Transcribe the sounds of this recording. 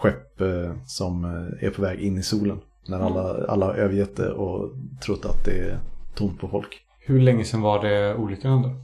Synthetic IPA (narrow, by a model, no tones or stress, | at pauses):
ɧɛpːsɔmɛ̰ɾpʰɔvɛːɡɪnːɪsuːlən | næɾalːaa̰lːaʔøːvəɾjɛt̪̚ːd̪ɛ̰ʔɔt̪ʰɾʊt̪ːat̪̚d̪ɛæt̪ʰʊmt̪̚pʰɔfɔlk | hɵɭɛŋːəsɛnvaɖɛuːlʏkaɾənd̪ə